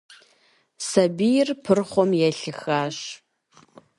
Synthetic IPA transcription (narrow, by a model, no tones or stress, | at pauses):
sɐbijɪrpʰɨrχʷɔmjɛɬɨxaːɕ